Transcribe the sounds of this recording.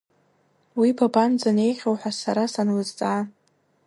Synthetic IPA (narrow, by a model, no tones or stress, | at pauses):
wibʰaband͡zane̞jχʲowħʷasaɾasanwɨzt͡sʼa